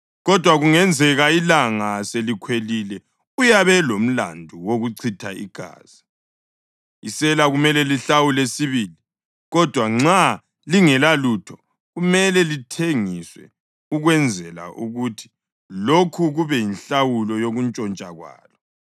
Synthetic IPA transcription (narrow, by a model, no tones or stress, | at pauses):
ɣɔd̥ʱwaɣuŋɛnd͡zʱɛɣailaŋaselikʰwelilɛ | ujaβɛlom̩la̰ndʱuwoɣuǀʰitʰaḭɡ̥ʱa̰ːz̥i | isɛlaɣumɛlɛliɬawulesiβiːli | ɣɔd̥ʱwaŋ͡ǁa | liŋɛlalutʰɔ | ɣumɛlɛlitʰeŋiswɛ̰ | uɣwɛnd͡zʱɛla̰ʔuɣutʰi̥ | lokʰuɣuβɛjinɬawulɔjoɣunt͡ʃʼɔnt͡ʃʼa̰ɣwa̰ːlɔ